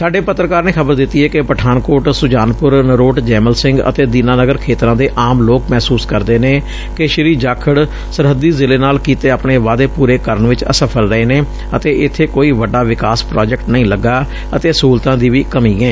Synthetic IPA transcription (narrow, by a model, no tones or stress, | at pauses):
saːɖeːpət̪ːɾəkaːɾneːkʰəbəɾd̪ɪt̪ːiːɦɛːkɪpəʈʰaːnkoːʈsʊd͡ʒaːnpʊɾnəɾoːʈd͡ʒɛːməlsɪŋɡə̰t̪eːd̪iːnaːnəɡəɾkʰeːt̪ɾãːd̪eːʔaːmloːkmɛːsuːskəɾd̪eːneː | kɪʃɪɾiːd͡ʒaːkʰəɽ | səɾɦəd̪iːzɪleːnaːlkiːt̪eːaːpɳeːʋaːd̪eːpuːɾeːkəɾəɳʋɪt͡ʃə̰səpʰəlɾəeːneː | ət̪eːʔɪt̪ʰːeːkoːiːʋəɖːaːʋɪkaːspɾaːd͡ʒɛk̚ʈnəĩːləɡːaː | ət̪eːsuːlt̪ãːd̪iːʋiːkəmiːɡɛ̃ː